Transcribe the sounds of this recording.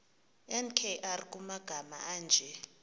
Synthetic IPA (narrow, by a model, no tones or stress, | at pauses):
ɛnkʰɛʔarikʼumaɡ̥ʱama̰aːnd͡ʒʱɛ